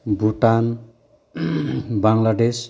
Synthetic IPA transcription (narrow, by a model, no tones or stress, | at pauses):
bʱuʈan | baŋlaɖes